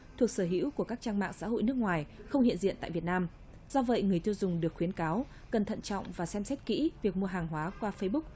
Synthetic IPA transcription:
t̪ʰu˨˩ək̚səː˧˩ɦḭ˧˥wku˧˩əkaː˦˥k̚t͡ɕaː˧ŋma̰ː˧˨ŋsa̰ː˧˥ɦo̰˧˨jnɨ˦˥ək̚ŋwaː˨˩jxə˧wŋ͡mhḭ˧˨nzḭ˧˨ənt̪a̰ː˧˨jvi˨˩t̚naː˧m | z̥ɔ˧və̰˧˨jŋɨ˨˩əjt̪ʰi˧wzʊ˨˩ŋ͡mɗɨ˨˩ək̚xwi˨˦ənkaː˨˦w | kə˨˩nt̪ʰə̰˧˨nt͡ɕɔ̰˧˨wŋ͡mvaː˨˩sɛ˧msɛ˦˥t̚kḭ˧˥vi˨˩ək̚mu˧əɦaː˨˩ŋɦwaː˨˦kwaː˧fə˧jɓʊ˦˥k̚

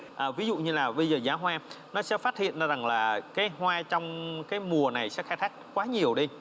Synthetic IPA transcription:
ʔəː˨˩vi˨˦zṵ˧˨ɲɨ˧laː˨˩ɓə˧jzəː˨˩zaː˨˦ɦwaː˧ | nɔ˨˦sɛ̰˧˥faː˦˥t̚hḭ˧˨ən˨˦za˨˩ŋlaː˨˩kaː˨˦jɦwaː˧t͡ɕɔ˧wŋ͡mkaː˨˦jmu˨˩əna˨˩jsɛ̰˧˥xaː˧˦jt̪ʰaː˦˥k̚kwaː˨˦ɲi˨˩əwɗi˧

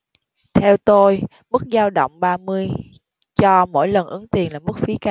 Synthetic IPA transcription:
t̪ʰɛ˧wt̪o˧j | mɨ˦˥k̚zaː˧wɗə̰˧˨wŋ͡mɓaː˧mɨ˧əj | t͡ɕɔ˧mo̰˧˥˨jlə˨˩nʔɨ˨˦ŋt̪i˨˩ənlaː˨˩mɨ˦˥k̚fi˨˦ka˧

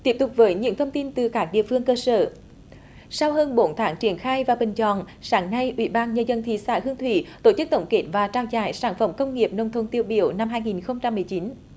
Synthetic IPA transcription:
t̪i˦˥p̚t̪ʊ˨˩k͡p̚vəː˨˦jɲɨ̰˧˥ŋt̪ʰə˧wŋ͡mt̪i˧nt̪ɨ˨˩kaː˦˥k̚ɗḭ˧˨əfɨ˧əŋkəː˧sə̰ː˧˩ | sa˧wɦəː˧nɓo˨˦nt̪ʰaː˨˦ŋt͡ɕi˧˩ənxaː˧jvaː˨˩ɓï˨˩ŋ̟t͡ɕɔ̰˧˨n | saː˨˦ŋna˧jʔwḭ˧˥ɓaː˧nɲə˧zə˧nt̪ʰḭ˧˨sa̰ː˧˥˩hɨ˧əŋt̪ʰwḭ˧˩t̪o˧˩t͡ɕɨ˦˥k̚t̪ə̰˧˩wŋ͡mke˨˥t̚vaː˨˩t͡ɕaː˧wza̰ː˧˩jsaː˧˩nfə˧˩mkə˧wŋ͡mŋi˨˩əp̚nə˧˩wŋ͡mt̪ʰə˧˩wŋ͡mt̪i˧əwɓi˧˩əwna˧mɦaː˧jŋi˨˩nxə˧wŋ͡mt͡ɕa˧mːɨ˨˩əjt͡ɕi˨˦n

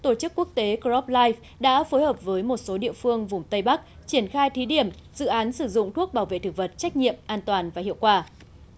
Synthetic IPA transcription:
t̪o˧˩t͡ɕɨ˦˥kːu˦˥ək̚t̪e˨˦kɔ˦˥p̚laː˧jf | ɗa̰ː˧˥fo˨˦jhəː˨˩p̚vəː˨˦jmo˨˩t̚so˨˦ɗḭ˧˨əfɨ˧əŋvʊ˨˩ŋ͡mt̪ə˧jɓa˦˥k̚t͡ɕi˧˩ənxaː˧jt̪ʰi˨˦ɗi˧˩əm | zɨ̰˧˨ʔaː˨˦nsɨ˧˩zʊ̰˧˨ŋ͡mt̪ʰu˦˥ək̚ɓaː˧˩wvḛ˧˨t̪ɨ˨˧˩və˨˩t̚t͡ɕa˦˥k̟̚ɲḭ˧˨əmʔaː˧nt̪waː˨˩nvaː˨˩ḭ˧˨əwkwaː˧˩

